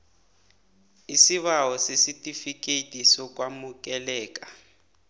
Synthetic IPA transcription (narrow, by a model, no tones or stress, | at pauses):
isiβawɔsesitʼifikʼetʼisɔk̬ʼwamukʼɛlɛːk̬ʼḁ